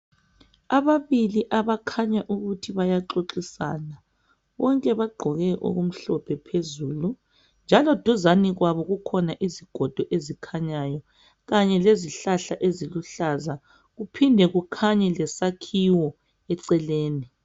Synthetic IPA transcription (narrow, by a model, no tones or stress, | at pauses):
aβaβiliʔaβakʰaɲaʔuɣutʰiβajaǁoǁisa̰ːna | βɔŋkʼɛβaɡ͡ǃʱɔɣɛʔo̰ɣum̩ɬɔpʰɛpʰezuːlu | nd͡ʒʱalɔd̥ʱuzaniɣwaβɔɣukʰɔnaʔiziɡ̥ʱɔd̥ʱɔʔezikʰaɲaːjɔ | ɣaɲɛleziɬaɬaʔeziluɬaza | ɣupʰindʱɛɣukʰaɲɛlɛsakʰiwɔ | ɛǀɛleːni